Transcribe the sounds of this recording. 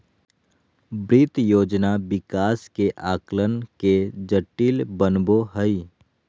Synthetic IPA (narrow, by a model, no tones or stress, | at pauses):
bɾɪt̪joːd͡ʒnabɪkaːskeʔaːklənked͡ʒəʈːiːlbənboɦəi